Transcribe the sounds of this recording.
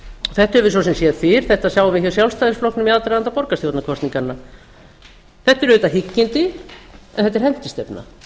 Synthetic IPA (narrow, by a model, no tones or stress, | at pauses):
ɔθɛht̪hɛvʏsvɔsɛmsjɛðfɪɾ̥θɛht̪asjawʏvɪçɛsjawlst̪ajðɪsflɔknʏmiaðt̪ɛɾaant̪apɔɾkast̪ːɔt̪nakʰɔst̪iŋkanːa | θɛht̪ɛɾʏt̪ːaɦɪcːɪnt̪ɪɛ̰nθɛt̪ːɛɾ̥hɛn̥t̪ɪst̪ɛpna̰